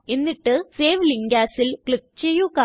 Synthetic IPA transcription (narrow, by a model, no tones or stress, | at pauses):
enːiʈːɨseːʋliŋɡaːsilkɭik̚t͡ɕejːukaː